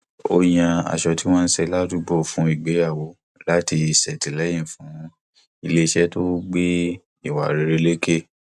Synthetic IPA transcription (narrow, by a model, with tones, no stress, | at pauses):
o˧jã˧a̰˨ʃɔ˧ti˦w̃ɔ̃ː˦n̩˦sɛ˧la˦tu˦ɡ͡bɔ˦˨fũ˨˦i˨ɡ͡be˨˦a˦˨wo˨˧˦ | la˨˦ti˧i˨sɛ˨ti˨lɛ˨˦j̃ĩ˦˨fũ˨˦ | i˧le˦ʃɛ˦to˦ɡ͡be˦ | i˦˨wa̰˨ɾe˨˧ɾe˧le˦ke˦˨